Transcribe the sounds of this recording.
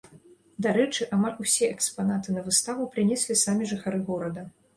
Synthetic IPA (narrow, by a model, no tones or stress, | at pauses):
d̪aɾɛt͡ʂɨʔamalʲusʲɛʔɛkspanat̪ɨnɐvɨst̪avupɾɨnʲɛsʲlʲisamʲiʐɨxaɾɨɣɔɾɐd̪ɐ